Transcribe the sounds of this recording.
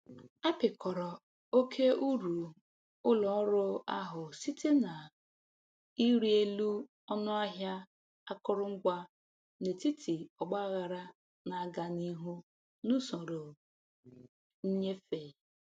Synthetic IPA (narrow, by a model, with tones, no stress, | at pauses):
a˦pɪ˨kʰɔ˨ɾɔ˨ | o˦kʰe˦u˦ɾu˨ | ʊ˦lɔ˨ʊ˦ɾʊ˦a˦ɦʊ˨si˦tʰe˦na˨ | i˦ɾi˦e˦lu˦ | ɔ˦nʊ˦a˦ɦja˦ | a˦kʊ˦ɾʊ˦ŋ̩˦ɡʷa˦ | ne˨ti˦tʰi˨ɔ˨ɡ͡ba˦ɣa˨ɾa˦ | na˨a˦ɡa˨ni˦ɦu˦ | nu˦so˨ɾo˨ | n̩˦ɲe˦fe˨